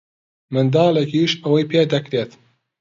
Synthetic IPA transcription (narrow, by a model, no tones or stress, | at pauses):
mɨnd̪ɑːlekiːʃɐwɐjpʰeːd̪ɐkɾeːt̪